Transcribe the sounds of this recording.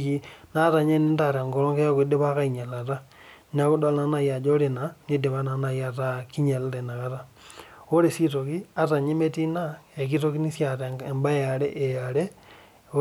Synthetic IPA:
ki˦na˦ta˨ɲe˦ni˦ta˨ɾa˨ŋɡɔ˦lɔ˦ŋke˦ja˦ku˨i˦de˦ba˦ka˦i˨ɲa˨la˨ta˦ | n˦a˦ku˦da˦lna˦na˦˨ja˨d͡ʒo˦ɾe˨na˨ne˦de˨ba˦na˨na˨ja˨ta˦ki˦ɲe˨la˦te˨na˨ka˦ta˦ | o˦ɾe˨si˦to˨ki˦a˦ta˨ɲe˦me˦ti˦na˦e˨k̬i˦t̬o˦ki˦ni˦sja˨ɾe˨e˨mba˦ja˨ɾe˦ʔe˨a˨ɾe˦

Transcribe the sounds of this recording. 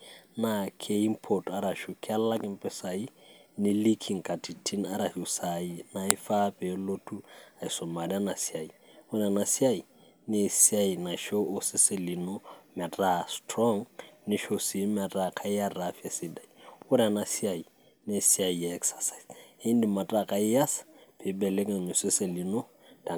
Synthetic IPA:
na˨kʰe˦i˦mpʰo˨ta˨˦ɾa˨ʃu˨kʰʼɪ˦a˦lla˦kɪ˦m̩˦pʼɪ˦sa˨i˦nɪ˦li˦kʰi˨ŋ̩kʼa˨tʰi˨tʰi˦na˦ɾa˨hu˨sa˨i˦na˦ɪ˦fa˦pʼɛ˨lo˦tʰu˦a˨i˨sɔ˨ma˨di˦a˦na˨si˦a˨i˨ʊ˦ɾɛ˦a˨na˨si˦a˦i˨ | nɪ˦si˦a˨i˨na˨ʃo˦ʊ˦sɪ˦sɪ˦li˨nɔmɛ˨tʼa˨stʰrɔ˦ŋnɪ˦ʃo˦si˨˦mɛ˨tʼa˨kʰa˦ɪ˦ja˦rafi˦a˨sɪ˦da˨iʊ˦ɾa˨nasi˦a˨i˨ | nɪ˦si˦a˨i˨jaɛ˦ksḁ˨sa˨se˦n˦dɪ˨ma˨tʼa˨kʼa˨ɪ˦ja˦sḁpʰɪ˨bɛ˨le˦ŋa˨ɲʊ˨sɪ˦se˨li˨no˦ | d̥a˨

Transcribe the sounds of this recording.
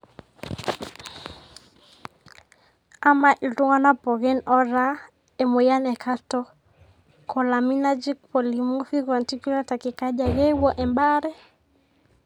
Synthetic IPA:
a˦ma˨ʔi˨tu˦ŋa˦na˦pɔ˨ɣɛ˦nɔ˦ɾa˦ | ɛ˨mɔ˨ja˦nɛ˨kʰa˦tɔ˦ | kɔ˨la˨mi˦na˦d͡ʒi˦k̚pɔ˨li˨mu˦fi˦ɣa˨nti˦ki˦la˦ta˨ki˨ka˦ʄa˨ɣɛ˦wɔ˦ʔɛ˨mba˦ɾɛ˦

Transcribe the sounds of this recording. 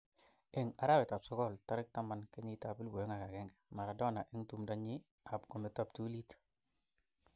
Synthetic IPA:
ɛ˨ŋa˨ɾa˦wɛ˨ta˨p̚sɔ˦kɔ˦˨lta˦ɾɪ˦k̚ta˦ma˨nke˦ɲɪ˦ta˨pɪ˦lbo˨jo˦ŋa˨ka˨kɛ˦ŋɡɛ˨ma˨ɾa˨dɔ˦na˨ʔɛ˦ŋtu˨mda˦ɲɪ˦ | a˨pɡɔ˨mɛ˨ta˦˨p̚tu˦li˦t

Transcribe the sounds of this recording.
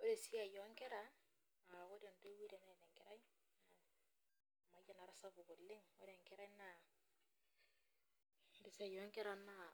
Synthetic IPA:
o˦ɾe˨si˦a˨jɔ˨˦ŋkɛ˦ɾa˦ | a˨o˦ɾe˨nto˦wi˦ɾe˨na˦˨ne˨ŋkɛ˨ɾa˦i˦ | a | ma˨ja˨na˨ɾa˦sa˦fu˨ɡo˨lːɪ˦ŋo˦ɾe˨ŋkɛ˦ɾa˦i˦na˨˦ | ɾe˨si˦a˨jɔ˦ŋkɛ˦ɾa˨na˦

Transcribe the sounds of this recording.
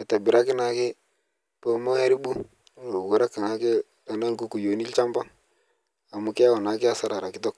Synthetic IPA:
ɛ˨ta˨bɪ˨ɾa˦kɪ˦na˨kɪ˦ | po˦mo˦ɛ˦ɾi˦bu˦ | o˨ɡu˨ɾa˦ki˨na˨˦ke˦ | la˨na˦nku˦ku˨jo˨ni˦lt͡ʃa˦mba˦ŋ | a˨mu˨kɪ˦ja˦wɔ˨na˨kɪ˦a˦sa˦ɾa˨ɾa˨kɪ˦tɔ˦k̚

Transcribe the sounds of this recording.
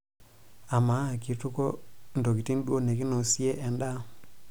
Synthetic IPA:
a˨ma˨˦˨ki˨tu˦kɔ˦n̩˨dɔ˨k̬i˨ti˦n˦dwo˦ne˨ki˦nɔ˨si˦ɛ˦ʔɛ˨nda˦

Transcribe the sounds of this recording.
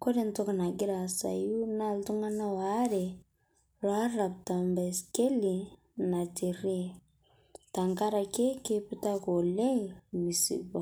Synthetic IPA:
ko˦di˦˨ntɔ˦ka˨na˨ɡi˦ɾa˨sa̰˨ju˦na˦˨ltu˦ŋa˦na˦wa˦ɾɛ˨ | ɾwa˦ɾa˨p̚ta˨mba˨ske˦li˨ | na˨ti˨ɾi˦ | ta˨ŋɡa˦ɾa˨ke˦ke˦pi˦ta˦ko˨le˦˨mi˨sḭ˨ɡɔ˨

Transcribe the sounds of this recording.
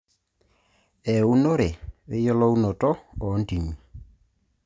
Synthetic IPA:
ɛ˨u˦nɔ˦ɾe˨we˦jɔ˦lɔ˦u˦nɔ˨tɔː˦˨˦nti˨ɲi˨

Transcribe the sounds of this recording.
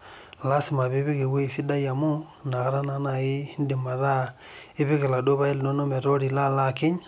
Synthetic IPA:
la˦si˨ma˨βi˦βi˦ki˨we˦˨si˦da˦ja˨mu˦ | na˨ɣa˦ɾa˦na˦˨na˨ji˦n˦di˨ma˨ɾa˦ | i˦βi˦ki˨la˨do˦βa˦i˦lno˦no˦me˨ɾo˦ɾi˨la˦la˦˨ki˦ɲ

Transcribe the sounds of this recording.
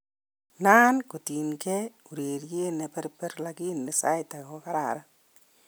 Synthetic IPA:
naː˦nko˨ti˨nkɛ˦u˨ɾe˨ɾje˦ne˨pɛ˦ɾpɛ˦ɾlaki˦nːe˨sa̰˦ɪ˦ta˨kɔ˦ka˦ɾa̰ɾa˦

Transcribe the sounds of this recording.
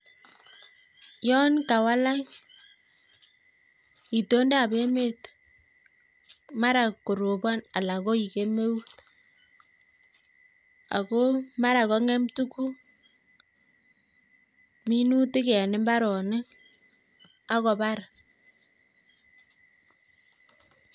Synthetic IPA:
jɔ˦nka˨wa˦la˦k | i˨to˦nde˦a˨be˦me˦˨t | ma˦ɾa˨ko˨ɾo˨bɔ˦na˨la˨ko˦i˨ke˦me˦u˦t | a̰˨ko˦ma˦ɾa˨kɔ˦ŋɛ˦mtu˦ku˦ | mi˦nu˦tɪ˦kɛ˨nɪ˨˦mba˦ɾɔ˨nɪ˦ŋ | a˦kɔ˨ba˦ɾ

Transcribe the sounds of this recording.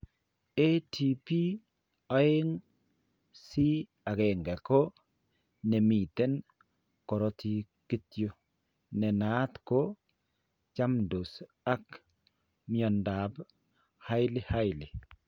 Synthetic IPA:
e˦ti˨pi˦ | a˦e˦ŋ | si˦ | a˨ɣɛ˨ŋɡɛ˨ko˦ | nɛ˨mi˨t̪e˦n | kɔ˨ɾɔ˦tʰi˦ | ki˦tjo˦ | nɛ˨naː˨˦t̪ko˦ | t͡ʃa˦mdo˨s | a˦k | miɔ˨nda˨b | ha˦ɪ˦li˦ha˦jli˨

